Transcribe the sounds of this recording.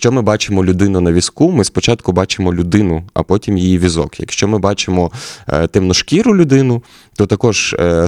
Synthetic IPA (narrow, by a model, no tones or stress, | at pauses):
ʃt͡ʃɔmɪbɑt͡ʃemɔlʲʊd̪ɪnʊnɐʋʲiskumɪspɔt͡ʃɑt̪kʊbɑt͡ʃemɔlʲʊd̪ɪnʊɐ̰pɔtʲimjijiʋʲizɔ̰kjɐ̰kʃt͡ʃɔmɪbɑt͡ʃemɔt̪ɪmnɔʃkʲiɾʊlʲʊd̪ɪnʊ | t̪ɔt̪ɐkɔʒ